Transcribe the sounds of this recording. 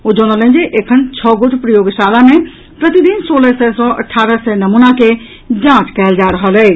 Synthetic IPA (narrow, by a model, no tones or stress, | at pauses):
od͡ʒɔnələ̃nd͡ʒeʔekʰənt͡ʃʰɔɡoʈʰpɾəjoːɡʃalame | pɾət̪id̪insoːləsɛsɔ̃ʔə̰ʈʰːaːɾəsɛnəmunake | d͡ʒãt͡ʃkɛːld͡ʒaɾəɦəlɛː